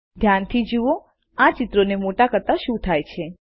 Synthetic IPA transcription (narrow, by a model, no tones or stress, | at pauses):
d̪ʱjant̪ʰid͡ʒuo | at͡ʃit̪ɾonemoʈakəɾt̪aʃũt̪ʰajt͡ʃʰe